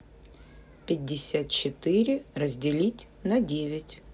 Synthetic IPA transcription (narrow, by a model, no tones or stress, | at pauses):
pʲɪd̚ʲːɪsʲat̪̚t͡ɕɪt̪ɨɾʲɪrəzʲdʲɪlʲitʲ | nɐdʲevʲɪtʲ